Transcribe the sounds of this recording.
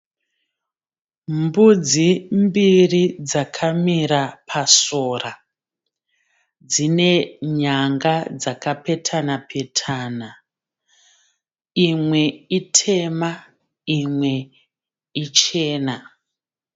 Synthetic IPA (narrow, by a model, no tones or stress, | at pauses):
mbud͡zimbirid͡zakʰamiɾapʰasora | d͡zine̞ɲaŋɡad͡zakape̞tʰanapʰe̞tʰana | imwe̞itʰe̞ma | imwe̞ | it͡ʃe̞ːna